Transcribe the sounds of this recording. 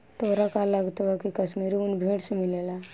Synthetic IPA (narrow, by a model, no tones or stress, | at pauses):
t̪oːɾakalːaɡt̪akikəsmiɾiunbʱeːʈsemilela